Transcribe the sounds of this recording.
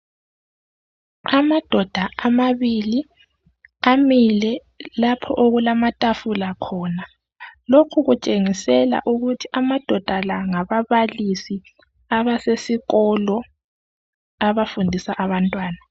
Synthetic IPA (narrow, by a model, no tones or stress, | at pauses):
amad̥ʱɔd̥ʱaamaβili | amilɛ | lapʰɔʔoɣulamatʼafulakʰɔːna | lokʰuɣut͡ʃʼeŋisɛla̰ʔuɣutʰiʔamad̥ʱɔd̥ʱalaŋaβaβalisi | aβasesiɣɔlɔ | aβafundʱisaʔaβantʼwaːna